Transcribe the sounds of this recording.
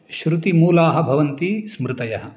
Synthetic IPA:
ʃɾut̪imuːlaːɦɐ̆bʱɐʋɐnt̪ismɾɪt̪ɐjɐɦɐ̆

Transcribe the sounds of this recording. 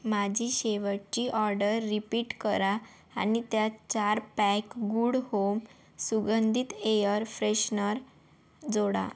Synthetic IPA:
mad͡ʑʱiɕeʋət͡ɕiːʔɔɾɖəɾːipiʈkəɾa | a̰nit̪jat͡ɕaɾpɛkɡuɽhom | suɡənd̪ʱit̪ejəɾfɾeɕnəɾ | d͡zoɽa̰

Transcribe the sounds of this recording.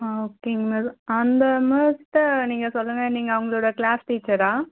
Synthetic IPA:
oːkːeŋmesɐnd̪ɐmeːsʈniːŋɡɐsɔlːɯŋɡɐniːŋɡɐːʋɐŋɡɐɭoːɽɐkɭaːsʈiːt͡ʃːɐɾaː

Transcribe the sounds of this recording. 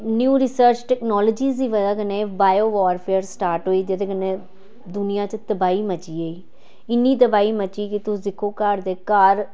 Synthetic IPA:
njuːɾɪsəɾt͡ʃʈɛːknɔːloːd͡ʒiːziːʋəd̪aːkənẽːbaːjoːʋɔːɾpʰeːɾsʈaːɾʈɦoːiːd͡ʒɪt̪eːkəneː | d̪ʊnɪjãːt͡ʃt̪əbaːiːmət͡ʃiːeiː | ɪnːiːd̪əbaːiːmət͡ʃiːkɪt̪ʊd̪ɪkʰːoːkəɾd̪eːkəɾ

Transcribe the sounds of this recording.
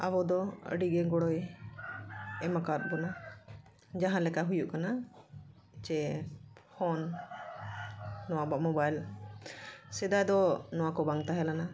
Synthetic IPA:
a̰bɔd̪ɔə̰ɖiɡɛɡɔɽɔj | ɛmakaɾt̪̚bɔna | d͡ʒaɦãlɛkaɦujuʔkana | t͡ʃɛ | pʰɔn | ɔwabaʔmɔbajl | sɛd̪ajd̪ɔnɔwakɔbaŋt̪aɦɛlana

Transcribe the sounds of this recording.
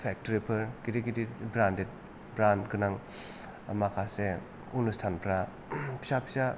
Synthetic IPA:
pʰɛk̚toɾipʰɯɾkiɾikidibɾandet̚ | bɾandkɯnaŋ | makʰase | unustʰanpʰɾa | pʰi̥sapʰi̥sa

